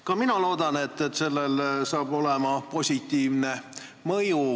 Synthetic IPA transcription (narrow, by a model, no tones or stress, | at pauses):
kɑminɑlo̞ːd̪ɑnet̪ːet̪ːse̞lːelsɑːb̥o̞le̞mɑpo̞sʲit̪ːˑiːvne̞ | mɤju